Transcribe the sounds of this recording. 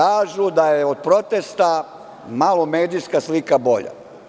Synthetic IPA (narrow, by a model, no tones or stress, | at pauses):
aːʒud̪ajeod̪̚pɾo̞t̪est̪a | malo̞me̞ːd̪ijskaslikabo̞̰ʎa̰